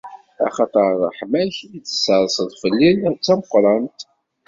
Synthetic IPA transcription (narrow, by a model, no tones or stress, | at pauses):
æ̰χɑt̪ˤəɾˤðˤəħmæçit͡sːə̥sːəɾˤsəðˤfəlːint͡sːæməqːɾˤɑnt̪